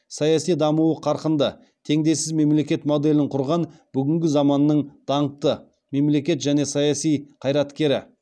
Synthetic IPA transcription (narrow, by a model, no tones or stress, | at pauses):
sɑjɑsijd̪ɑmuwəqʰɑɾqənd̪ə | t̪ʰe̞ŋd̪e̞jsɪzme̞mle̞kʲe̞t̪mo̞d̪e̞lɪɴqʰʊɾʁɑnb̥ʏɡʲɪŋɡʲɪzɑmɑnːəɴd̪̥ɑɴət̪ːə | me̞mle̞kʲe̞t̪ʒæne̞sɑjɑsijqʰɑjɾɑt̪kʲe̞ɾɪ̰